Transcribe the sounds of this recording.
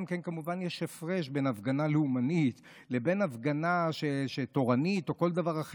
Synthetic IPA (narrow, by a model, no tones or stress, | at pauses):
mkenkamuvanjeʃefʁeʃbe̞navɡanaleumanit̪ | le̞be̞navɡanaʃeʃeto̞ʁanit̪o̞ko̞ld̪avaʁaχ